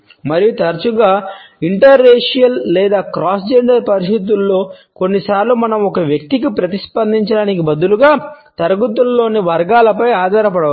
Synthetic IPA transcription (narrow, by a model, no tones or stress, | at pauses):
mɐɾijut̪ɐɾt͡ʃuɡaːiɳʈɐɾːeːʂijɐlːɛːd̪aːkɾaːsd͡ʒeɳɖɐɾpɐɾist̪it̪̬ulːo̞ːko̞nːisaːɾlumɐnɐmɔkɐʋjɐk̚t̪ikipɾɐt̪ispɐnd̪iɲt͡ʃɐɽaːnikibɐd̪uluɡaːt̪ɐɾɐɡut̪ulːo̞ːniʋɐɾɡaːlɐpɐjaːd̪ʱaːɾɐpɐɽɐʋa